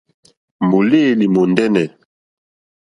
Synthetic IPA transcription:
mo˨le˦˨li˨mo˨ndɛ˦nɛ˨

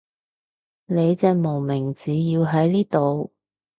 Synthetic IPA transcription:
ne˨˧jt͡sɛː˧mo˨˩wmɪ˨˩ŋt͡siː˨˧jiː˧wɦɐ˨˥jliː˥t̪o˨w

